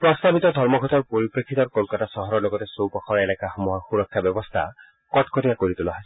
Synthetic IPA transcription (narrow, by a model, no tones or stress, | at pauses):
pɾɔst̪abit̪ɔd̪ʱɔɾmɔɡʱɔt̪ɔɾpɔɾipɾekʰːit̪ɔɾkɔlkat̪asɔɦɔɾɔɾloɡɔt̪esowpɔkʰɔɾelakaxɔmɔɦɔxuɾɔkʰːjabjɔbɔst̪ʰa̰ | kɔtkɔtijakoɾit̪ulɔɦaj